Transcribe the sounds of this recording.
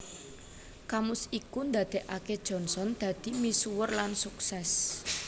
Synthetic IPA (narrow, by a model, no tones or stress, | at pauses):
kamʊsikund̪a̤d̪̥e̤ʔaked̥ʒ̥ɔ̤nsɔnd̪̥ä̤d̪̥i̤misuwərlansuksɛs